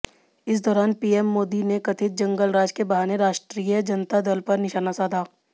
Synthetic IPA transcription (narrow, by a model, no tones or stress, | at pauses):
ɪsd̪ɔːɾaːnpiːɛmːoːd̪inekɐt̪ʰɪt̪̚d͡ʒɐ̃ŋɡəlɾaːd͡ʒkebɐɦaːneɾaːʃʈɾiːjəd͡ʒɐnt̪ad̪əlpɐɾnɪʃaːnasaːd̪ʱaː